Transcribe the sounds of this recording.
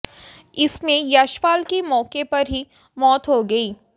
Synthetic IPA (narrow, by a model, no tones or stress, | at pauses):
ɪsmẽjaːʃpaːlkemɔːkepɐɾɦi | mɔːt̪ɦoɡɐiː